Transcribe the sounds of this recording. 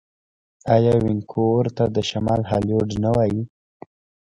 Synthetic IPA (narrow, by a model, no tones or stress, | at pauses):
ɑjɑwɪŋkʰoɾt̪ad̪əʃamɑlɦɑljoɖnawɑji